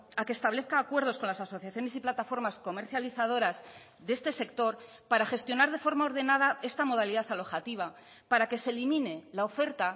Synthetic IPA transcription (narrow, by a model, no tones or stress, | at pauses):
akest̪aβle̞θkaːkwe̞ɾð̞o̞sko̞nlasaso̞θjaθjone̞siplat̪afo̞ɾmasko̞me̞ɾθjaliθað̞o̞ɾaz | ðe̞st̪e̞se̞k̚t̪o̞ɾ | paɾaxe̞st̪jo̞naɾð̞e̞fo̞ɾmaoɾðe̞nað̞ae̞st̪amo̞ð̞aliðaθalo̞xat̪iβ̞a | paɾake̞selimĩne̞lao̞fe̞ɾt̪a